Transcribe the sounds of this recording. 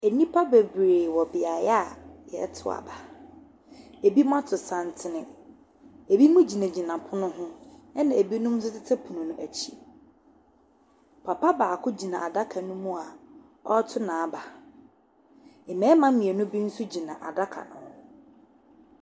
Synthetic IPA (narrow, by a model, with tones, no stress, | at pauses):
e˨nĩ˦pʰa˦be˨bɾeː˨wɔ˨bɪ˨a˨jɛ˦a˦˨jɛ̰˨˦tʰʊ̰˦a̰˨ba˨ | e˨bi˦m˦ã˦tʰʊ˨sã˨n˨tʰɪ˦nɪ̃˦ | e˨bi˦mũ˦d͡ʑi˨nã˨d͡ʑi˨nã˨pʰʊ˦nʊ̃˦ɦʊ̃˦ɛ˦nã˨e˨bi˦nʊ̃˦m˦sɪ˦tɪ˦tʰɛ˦pʰu˨nũ˨nʊ̃˦ʔæ˨t͡ɕʰi˦ | pʰa˨pa˦baː˨kʰʊ˦d͡ʑi˨nã˨a˨da˦kʰa˨nʊ̃˦mũ˦a˨ | ɔ˦tʰʊ˦nãː˨ba˨ | ɛ˨mɛ̃ː˦mã˦mĩ˨ɛ˨nʊ̃˦bi˦n̩˦sʊ˦d͡ʑi˨nã˨ʔa˨da˦kʰa̰˨nʊ̰̃˨hʊ̃˦